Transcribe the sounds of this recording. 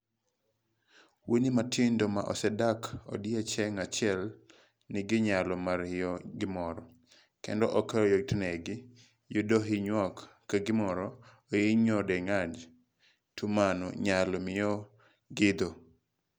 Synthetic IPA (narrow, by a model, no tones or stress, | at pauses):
wonimatʰɪndoma̰ʔɔ̰sɛdako̰djɛt͡ʃɛŋat͡ʃɪɛl | nɪɡɪɲalɔmarɪjɔɡɪmɔɾɔ | kɛ̰ndɔʔɔkajotnɛɡɪ | jodoɦɪɲwɔkː | aɡɪmɔɾɔ | ojeɲɔdɛŋad͡ʒ | tumanɔ̰ɲalɔmɪjɔ | ɡɪd̪o